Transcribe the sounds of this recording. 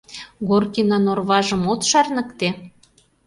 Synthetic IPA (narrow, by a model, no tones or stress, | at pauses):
ɣorkinɑnorβɑʒə̆mot̪ʃɑrnə̆kt̪e